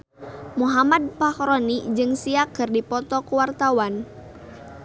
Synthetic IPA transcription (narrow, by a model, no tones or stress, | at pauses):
muɦamad̪̚pahɾɔnid͡ʒɨŋsiakɨrdipɔt̪ɔkuwart̪awan